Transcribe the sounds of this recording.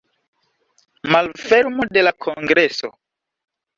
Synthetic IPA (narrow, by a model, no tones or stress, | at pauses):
malfeɾmode̞lakʰoŋɡɾeso̰